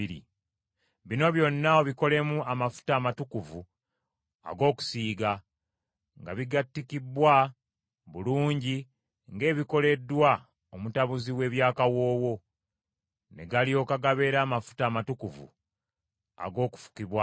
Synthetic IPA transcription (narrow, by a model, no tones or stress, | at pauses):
ɾḭ | βino̞βjo̞nːaoβiko̞le̞muamafu̥taːmatukuvu | a̰ɡo̞ːku̥siːɡa | ŋɡa̰βiɡatːikibwa | βuluːɲɟi | ŋɡe̞ːβiko̞le̞dːwa | omutaβuziwe̞ːβjaːkawo̞ːwo̞ | ne̞̰ɡalio̞ːkaɡaβe̞ɾaːmafu̥taːmatukuvṵ | a̰ɡo̞ːku̥fu̥kiβwa